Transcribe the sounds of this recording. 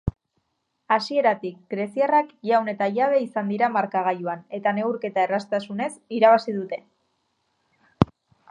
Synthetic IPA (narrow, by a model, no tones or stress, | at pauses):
asie̞ɾat̪ik̚ɡɾe̞siarakawne̞t̪aʎaβ̞e̞isand̪iɾamaɾkaɣ̞ajuane̞t̪ane̞ɣuɾke̞t̪ae̞rast̪asune̞siɾaβasiðut̪e̞